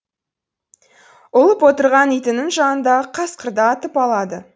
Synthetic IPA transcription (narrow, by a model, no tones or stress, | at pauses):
ʊlˠəpwo̞t̪əɾʁɑnijt̪ɪnɪŋʒɑnənd̪ɑəqʰɑsqəɾd̪ɑːt̪əpɑlˠɑd̪ə